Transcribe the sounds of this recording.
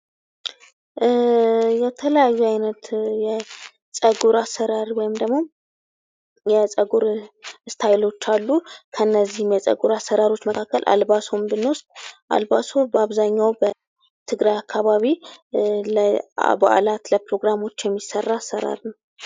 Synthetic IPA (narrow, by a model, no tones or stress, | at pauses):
jɛt̪ʰələjajːuajnət̪jɛ | sʼəɡuɾasːəɾaɾwɔjɪmd̪əɡmo̞ | jɛsʼəɡuɾɨst̪ʰajlo̞t͡ʃːalːukʰənːəzːihɪmjɛsʼə̰ɡuɾasːəɾaɾo̞t͡ʃːməkʰakːəlʔa̰lβasombɨnost̪ʼʔa̰lβasubəaβzaɲːawbə | t̪ʰɨɡɾajakʰːaβaβi | lə̰ba̰ʔlat̪ləpɾo̞ɡɾamo̞t͡ʃːjɛmːisːərːaːsːəɾa̰ɾnəw